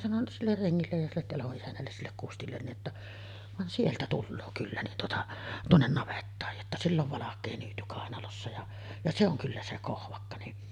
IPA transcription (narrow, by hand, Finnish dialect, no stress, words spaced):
sɑnon silːer reŋːilːej jɑ silːet tɑloʔ ʔisænːælːes silːek kustilːen niʔ ʔetːæ ʋɑn sieltæ tulːoː kylːæ nin tuotɑ tuonːen nɑʋetːɑːj jotːɑ silː oʋ ʋɑlɑkˑeː nyːty kɑˑenɑlosːɑ jɑ jɑ se oŋ kylːæ se kohʋɑkːɑ niʔ